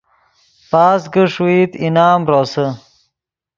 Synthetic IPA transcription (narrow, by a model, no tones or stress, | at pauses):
paːsɡəʂuiːt̪inaːmɾoːsə